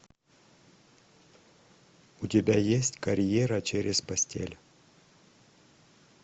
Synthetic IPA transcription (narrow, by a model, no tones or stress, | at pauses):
ʊtʲɪbʲajesʲtʲkɐɾʲjeɾət͡ɕeɾʲɪzpɐsʲtʲʰḛlʲ